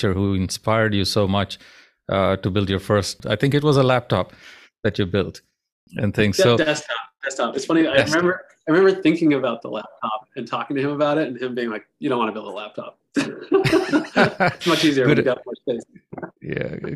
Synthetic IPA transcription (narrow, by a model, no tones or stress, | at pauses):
t͡ʃə˞huɪ̃nspaɪəɹdjɨsoʊmʌt͡ʃ | ʔʌtɨbɪlˠdjə˞fɜ˞sta̰ɪθɪ̃ŋkɨt̬̚wʌzəlæp̚tʰɑ̰p̚ | ðɨt͡ʃɨbɪlˠt | ɨ̰̃nθɪ̃ŋsoʊdɛstʰɑp̚d̥ɛstɑpɨtsfʌ̃ɾ̃iaɪɪmɛ̃mbə˞ | aɪɹɨmɛ̃mbə˞θɪ̃ŋkɪ̃ŋɨbaʊt̪̚ðəlæp̚tʰɑp̚ɨ̃ntʰɔkɪ̃ŋtɨɨ̃məbaʊɾɨtɨ̃nɨ̃mbiɪ̃ŋlaɪk̚jɨɾõʊ̃ntwɑ̃nəbɪlˠd̪̚ðə̰læp̚tʰɑ̰p̚ | ɪmʌt͡ʃiziə˞ɡɡɛpmʌt͡ʃeɪsjæ̰